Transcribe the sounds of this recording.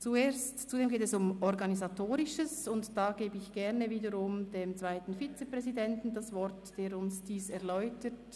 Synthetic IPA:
t͡sueːstt͡sudeːmɡeːtɛsʊmɔɾɡɑnizatʰoːɾɪʃəsʊntd̥aːɡeːbəɪçɡ̥ɛʁnəviːdəʁʊmdeːmt͡sv̥aɪtn̩fit͡səpʁ̥ɛzidɛntn̩dasvɔɾtd̥eːɾʊnsd̥iːsɛʁlɔʏtət

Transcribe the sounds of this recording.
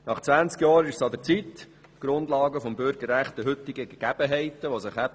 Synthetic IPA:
nɑχt͡svænt͡skjɑːɾɪʃsɑd̪əɾt͡sit | ɡ̥ɾʊnd̪lɑːɡəfɔmbʏɾɡ̥ərːæχt̪əɦɵt̪ːɪɡəɡeɡ̥æb̥əɦɛɪt̪əʋosɪχæ

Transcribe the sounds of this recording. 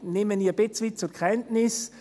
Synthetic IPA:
neːməniːɐbɪt͡sʋɪt͡sʊkʰʁɛntnɪs

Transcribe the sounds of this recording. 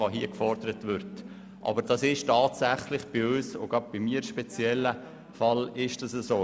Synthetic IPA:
ɑɦiəkfɔɾd̥əɾətʋʏɾt | ʔɑ̰bəɾd̥ɑsɪʃtɑːtsæχlɪχb̥iøːso̰ɡ̥ɑp̚b̥imiːəɾʃpɛt͡sjɛlːə | fɑlɪʃd̥ɑsəsoː

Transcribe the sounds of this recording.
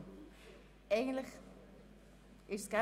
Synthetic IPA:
ɛjɣə̃nlək | ɪska

